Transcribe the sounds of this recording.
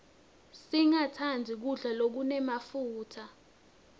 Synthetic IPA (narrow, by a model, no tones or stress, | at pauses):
siŋatʰandʱik̬uɮalok̬unɛmafuːtʰa